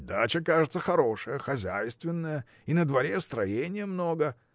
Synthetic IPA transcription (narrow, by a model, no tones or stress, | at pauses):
d̪at͡ɕəkaʐɨt̪səxɐɾo̞ʂəjəxɐzʲæjst̪vʲɪnːəjə | inəd̪vɐɾʲest̪ɾɐjenʲɪjəmnoɡə